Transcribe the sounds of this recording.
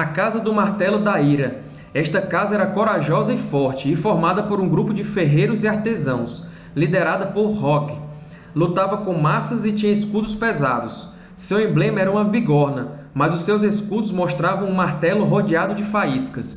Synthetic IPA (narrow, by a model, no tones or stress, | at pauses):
akazɐd̪ʊmaɾt̪ɛlʊd̪aiɾɐ | ɛʃt̪ɐkazɐɛɾɐkoɾaʒɔzɐɪfɔɾt͡ʃɪːfoɾmad̪ɐpoɾũɡɾupʊd͡ʒɪfeɦejɾʊziaɾt̪ezɐ̃w̃s | lid̪eɾad̪ɐpoɾɦɔk | lut̪avɐkõmasɐzɪt͡ʃĩɲɐeskud̪ʊspezad̪ʊsː | ewẽblẽmɐɛɾɐũmɐbiɡɔɾnɐ | mɐzʊsewzeskud̪ʊzmoʃt̪ɾavɐ̃w̃ũmaɾt̪ɛlʊɦod͡ʒiad̪ʊd͡ʒɪfaiskɐs